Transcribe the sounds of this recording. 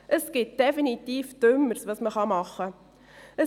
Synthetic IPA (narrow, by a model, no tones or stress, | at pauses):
ʔəsɡ̥ɪt̚d̥ɛfinit̪iːfd̪̥ʏmːəɾsʋɑsməχɑmɑχːə | ə